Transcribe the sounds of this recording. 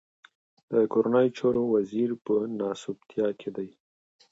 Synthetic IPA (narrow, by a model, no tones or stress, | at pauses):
d̪̥əkoɾanɑjot͡ʃɑɾowaziɾpənɑsʊbt̪ʰjɑkʰed̪aj